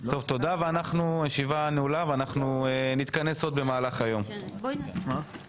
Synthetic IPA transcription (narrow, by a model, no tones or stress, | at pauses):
t̪o̞vt̪o̞d̪aveanaχnujeʃivaneulavanaχnuenit̪kane̞so̞d̪̚be̞maːlaχajo̞m